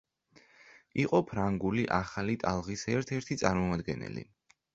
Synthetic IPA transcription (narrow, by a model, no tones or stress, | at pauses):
iqʼɔpʰɾaŋɡuliʔaχalit̪ʼalˠʁisɛɾt̪ʰɛɾt̪ʰit̪sʼaɾmɔmad̪ɡɛnɛ̰lḭ